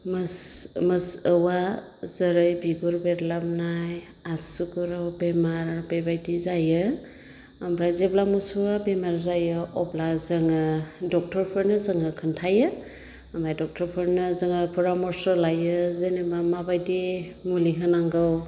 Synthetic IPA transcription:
mɯsmɯsəwa | zəɾɯjbiɡuɾbetlap̚naj | asukuɾawbemaɾbebajdizajɯ | ambɾazeblamusuwabemaɾzajɯɔblazɯŋɯdɔk̚tʰɔɾpʰɯɾnɯzɯŋɯkʰɯntʰajɯ | amajdɔk̚tʰɔɾpʰɯɾnɯzɯŋapʰuɾamɔɾsɔlajɯzenemamabajdimuliɦɯnaŋɡɯw

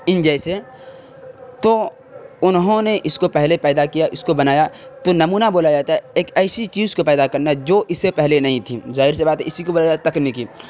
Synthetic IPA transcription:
ɪ̃nd͡ʒɛːse | t̪o | ʊnɦõneʔɪskopɛɦlepɛːd̪akijaʔɪskobɐnaːjat̪onɐmuːnaboːlad͡ʒaːt̪aɦɛeːkɛːsit͡ʃiːzkopɛːd̪akɐɾnad͡ʒoːʔɪsːepɛɦlenɐɦĩt̪ʰizaːɦɪɾsebaːt̪ɦɛ̰ɪsikoboːlad͡ʒaːat̪ɐknmiki

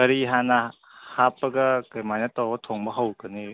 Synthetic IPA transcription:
ɐɾiɦanɐ | hapːɐɡɐkɐjmajnatawbɐtʰoŋbɐɦɐwkɐni

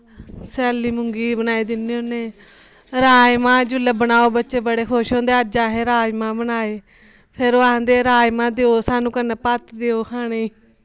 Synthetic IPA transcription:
sɛːliːmʊŋɡiːbənaːiːd̪ɪniːoneː | ɾaːjmãːd͡ʒʊləbənaːoːbətːʃeːbəɽeːkʰoːʃõːnd̪eːəd͡ʒãːɦeːɾaːd͡ʒmãːbənaːeː | pʰɪɾoaãːd̪eːɾaːjmãːd̪eoːsaːnũːkənːeːpət̪d̪eːoːkʰaːɽeː

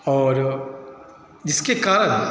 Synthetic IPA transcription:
ɔːɾ | d͡ʒɪskekaːɾən

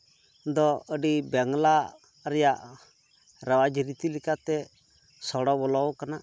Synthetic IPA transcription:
d̪ɔəɖibɛŋla | ɾɛjaʔ | ɾawad͡ʒəɾit̪ilikat̪ɛ | sɔɽɔbɔlɔwkana

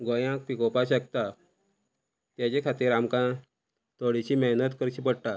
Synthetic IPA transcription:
ɡojãk̚pikopaɕək̚t̪a | t̪jat͡ɕekʰat̪iːɾamkã | t̪oɽit͡ɕiːməɦnət̪kəɾɕiːpəɽʈ̪a

